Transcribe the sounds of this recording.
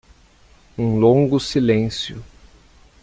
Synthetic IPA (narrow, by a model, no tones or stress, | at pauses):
ũlõŋɡʊsilẽsjʊ̰